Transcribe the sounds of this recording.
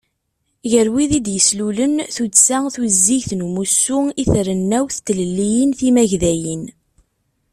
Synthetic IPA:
ʝəɾwiðid̪jəslulənθudsæθwzːiʝθnumusːʊiθɾənːæwθt̪ːləlːijənθimæʝðæjin

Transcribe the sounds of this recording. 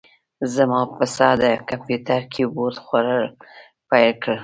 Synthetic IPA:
zamɑpəsɑd̪əkampjut̪aɾkʰeboɾt̪xwaɾəl | pajlkəɽ

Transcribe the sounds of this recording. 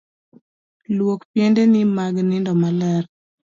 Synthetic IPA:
lwokpjendenɪmaɡnɪndɔmalɛr

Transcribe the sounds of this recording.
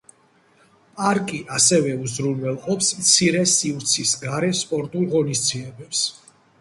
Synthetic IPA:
pʼaɾkʼiʔasɛvɛuzɾunvɛlˠqʼɔpsmt̪sʰiɾɛsivɾt̪sʰisɡaɾɛspʼɔɾt̪ʼulˠʁɔnist̪sʰiɛbɛps

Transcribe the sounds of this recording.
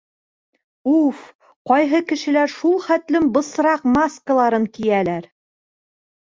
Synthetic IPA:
uf | qɒjɦɤkɘ̆ʃɘ̆læɾʃulˠχæt̪lɘmbɤ̆s̆ɾɑqmaskəlˠɑɾɤŋkijælæɾ

